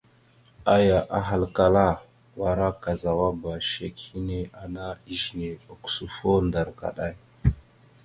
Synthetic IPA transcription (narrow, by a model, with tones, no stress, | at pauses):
a˦ja˨ʔa˦ɦa˨lka˨la˦˨ | wa˨ɾa˦ka˨za˨wa˦ba˨ʃe˨khi˦ne˦a˨na˦i˦ʒi˨ne˨o˨ksu˨fo˦nda˨ɾka̰˨ɗa˦j